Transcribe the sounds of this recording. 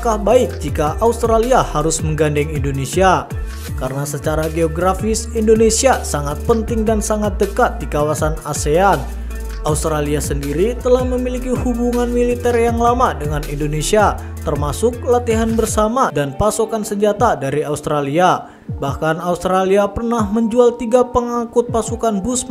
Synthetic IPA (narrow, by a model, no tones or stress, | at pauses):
kahbaɪk̚d͡ʒikaʔaust̪ɾaliahaɾʊsməŋɡandɛŋindonesia | kaɾənasət͡ʃaɾaɡeoɡɾafɪsindonesiasaŋat̪̚pənt̪ɪŋdansaŋat̪̚dəkat̪̚dikawasanasean | aust̪ɾaliasəndiɾit̪əlahməmilikihubuŋanmilit̪ɛrjaŋlamadəŋanindonesia | t̪ərmasʊk̚lat̪iɦanbərsamadanpasukansəɲd͡ʒat̪adaɾiaust̪ɾalia | bahkanaust̪ɾaliapərnahməɲd͡ʒualt̪iɡapəŋaŋkʊt̪̚pasukanbusm